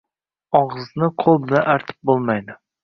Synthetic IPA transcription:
ɒʁɨznɪqʰolˠbɪnaʔaɾt̪ʰɪ̥p̚bolˠmajd̪ɪ

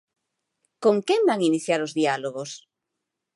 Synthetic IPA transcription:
koŋkembaŋiniθjaɾozðialoɣ̞os

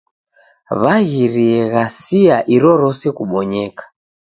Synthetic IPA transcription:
βaɣiɾiɛɣasiaʔiɾɔɾɔsɛkuɓɔɲɛkḁ

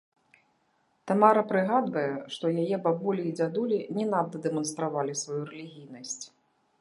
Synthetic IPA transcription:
t̪amaɾɐpɾɨɣad̪vɐjɛʂt̪ɔjajɛbabulʲiːd͡zʲad̪ulʲinʲɛnad̪ɐd̪ɛmɔnst̪ɾavalʲisvajuɾɛlʲiɣʲijn̪ɐsʲt͡sʲ

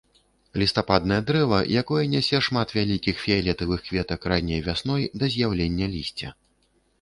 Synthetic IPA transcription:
lʲist̪apad̪̚nɐjɐd̪ɾɛvɐ̰jakɔjɐnʲɛsʲɛʂmat̪vʲalʲikʲixfʲialʲɛt̪ɨvɨxkvʲɛt̪ɐkɾanʲːɛjvʲasnɔjd̪ɐzʲjawlʲenʲːɐlʲisʲt͡sʲɛ

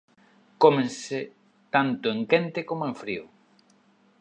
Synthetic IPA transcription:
komẽnse | t̪ant̪ʊeŋkent̪ekomoeɱfɾiʊ

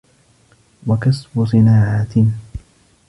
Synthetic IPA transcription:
wakasbʊsˤɨnaːʕaːt̪

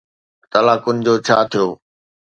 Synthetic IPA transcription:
t̪ɐlaːkʊnɪ̆d͡ʑoːt͡ɕʰaːt̪ʰijoː

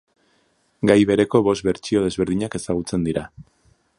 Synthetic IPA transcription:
ɡajβe̞ɾe̞ko̞βo̞st̪βe̞ɾt͡ʃio̞ð̞e̞zβe̞ɾð̞iɲake̞saɣ̞ut͡se̞nd̪iɾa

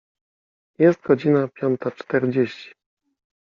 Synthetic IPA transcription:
jɛst̪̚ɡɔd͡ʑinapʲjɔnt̪at͡ʂt̪ɛɾd͡ʑeɕt͡ɕi̥

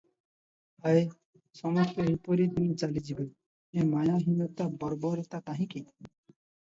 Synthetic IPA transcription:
ae | sɔmɔst̪ɔipɔɾid̪inĩt͡ʃalid͡ʒibe | ẽmajaɦimot̪abɔɾbɔɾt̪at̪aɦĩki

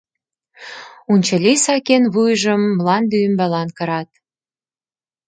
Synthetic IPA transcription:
unʲt͡ɕə̆lʲisɑkenβujʒəmːlɑnd̪yəmbælɑnkɤ̆ɾɑt̪̚

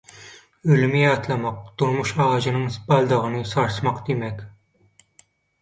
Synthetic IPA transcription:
ølmɪjɑt̪lˠɑmɑq̚t̪ʰuɾmuʃɑʁɑʒɨnɨŋspʰɑlˠd̪əʁənɨsɑɾsmɑqd̪emɛkʲ

